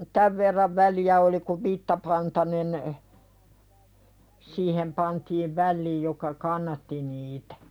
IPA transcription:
tæʋ ʋerːɑʋ ʋæliæ oli kuʋ ʋitːɑpɑntɑnen siːhem pɑntiːʋ ʋælːiːj jokɑ kɑnːɑtːi niːtæ̥

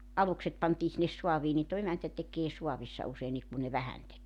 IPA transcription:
ɑlukset pɑntiː sinːes suɑʋiː niːn toĭ emæntæ tekeː suɑʋisːɑ useinːiːk ku ne ʋæhæn tekeː

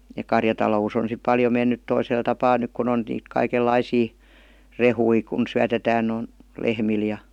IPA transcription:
jɑ kɑrjɑtɑlous on sip pɑljo menːyt toisel tɑpɑː nyk kun on niːt kɑikelːɑisiː rehui kun syætetæːn n̩ lehmil jɑ

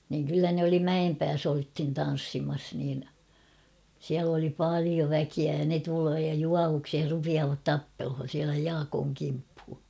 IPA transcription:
niŋ kylːæ ne oli mæempæːs olthin tɑn̞sːimɑs niːn siæl oli pɑˑlio ʋækiæ jɑ ne tuloː jɑ juɑʋuksih rupiɑːʋɑt tɑpːelhon̞ siælæ jɑːkoːŋ kimphu

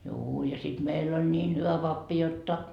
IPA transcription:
juː jɑ sit meilː olʲ nʲiːn hyʋæ pɑpːi jotːɑ

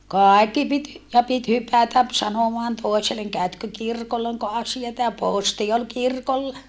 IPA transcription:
kɑˑikːi pit jɑ pit hypætæp sɑnomɑːn toˑi̯seleŋ kæøtkø kirkolːɑ oŋko ɑsiɑtɑ jɑ poˑsti ol kirkolːɑ

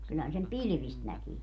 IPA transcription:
kylhæn sem pilĭʋist nækiː

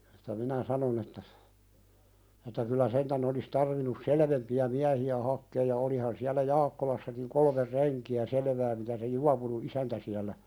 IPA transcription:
etˑæ minæ sɑnon etːæ etˑæ kylˑæ sentæn olis tɑrʋinus seleʋempiæ miæhiæ hɑkːeːj jɑ olihɑn siælæ jɑːkːolɑsːɑkiŋ kolmer renkiæ seleʋæː mitæ se juɑpunu isæntæ siælːæ

